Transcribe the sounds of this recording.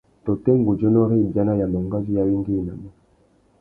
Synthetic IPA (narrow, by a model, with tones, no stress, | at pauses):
tɔ˨tɛ˦ŋ˦ɡu˨d͡ʒɔ˦nɔ˦ɾi˦˨d͡ʒa˦na˦ja˨ma˨ŋɡa˦zi˦ja˨wi˦ŋɡi˦˨na̰˨mi˦˨